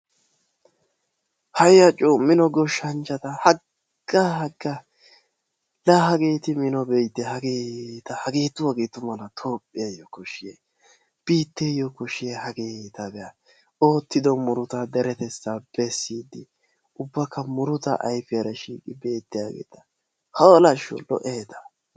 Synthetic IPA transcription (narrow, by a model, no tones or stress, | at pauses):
hɐjjɐt͡ʃʼoːmɪnɔɡɔʃːɐnt͡ʃːɐt̪ɐhɐ | ɡ̥ahɐɡːɐ | laːhɐɡe̞ːt̪ɪmɪnɔbɛjd̪ːɛhɐɡeːt̪ɐhɐɡe̞ːt̪ːʊwaːɡeːt̪ʊmɐnɐt̪ʰo̞ːpʼːɪjɐjɔkɔʃɪje | b̥iːt̪ːejɔkʊʃɪjɛhɐɡeːt̪ɐbɛjɐ | o̞ːt̪ːɪd̪ɔmʊɾʊt̪ɐd̪ɛɾɛt̪ɛt͡sːab̥ɛsːiːd̪ɪ | ʊbːɐkːɐmʊɾʊt̪ɐ̰ʔɐjfɪjɐɾɐʃiːkʼɪbe̞ːt̪ːɪjaːɡḛːt̪ɐ̥ | hɐwɔlɐʃɔ̰lɔ̰ʔeːt̪ɐ̥